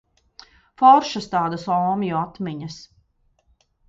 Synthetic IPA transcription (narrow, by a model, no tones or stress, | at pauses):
fɔɾʃast̪aːd̪ɐsɔːmjɔat̪miɲɐs